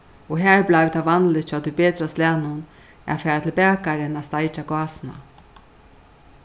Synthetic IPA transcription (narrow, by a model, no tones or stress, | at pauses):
ɔɦæːɹblajvt̪ʰavanlɪt͡ʃʰːat̪ʰːubeːt̪ɾast̪laːnʊn | a̰fɛːɾat̪ʰɪlbæːkaɾɪnast̪ajt͡ʃakɑːsna̰